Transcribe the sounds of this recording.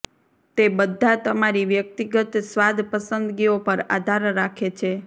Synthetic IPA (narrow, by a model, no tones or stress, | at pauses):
t̪ebəd̪ʱːat̪əmaɾiʋjək̚t̪iɡət̪sʋad̪ʱpəsənd̪ɡiopəɾa̰d̪ʱaɾːakʰet͡ʃʰe